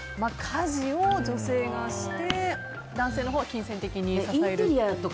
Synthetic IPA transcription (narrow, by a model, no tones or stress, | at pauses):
makʰaʑiod͡ʑo̞se̞ːɡaɕi̥t̪e̞ | d̪ãseːno̞ɦo̞ːɡakʲĩɰ̃sẽ̞nt̪e̞kʲiɲ̟isaĩaeɾɾʲiat̪o̞k